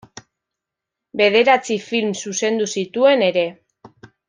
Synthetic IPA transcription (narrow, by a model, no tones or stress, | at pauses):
be̞ð̞e̞ɾat͡sifilmsuse̞nd̪usit̪ue̞ne̞ɾe̞